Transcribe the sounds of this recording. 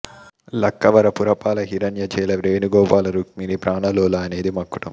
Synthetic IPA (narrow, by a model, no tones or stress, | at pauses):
lɐkːɐʋɐɾɐpuɾɐpaːlɐɦiɾɐnjɐd͡ʒɛːlɐʋɾeːnuɡɔːpaːlɐɾukminipɾaːɳɐloːlaɐne̞ːd̪imɐkːuʈɐm